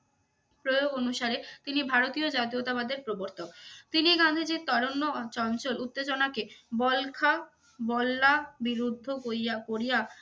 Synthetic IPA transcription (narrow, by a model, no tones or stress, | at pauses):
pɾojoɡonuʃaɾet̪inibʱaɾot̪iod͡ʑat̪iot̪abad̪eɾpɾoboɾt̪okt̪iniɡãnd̪ʱed͡ʑet̪ɔɾonːot͡ɕɔnt͡ɕolut̪ːed͡ʑonakebɔlkʰa | bɔlːabiɾud̪ʱːokoiakoɾija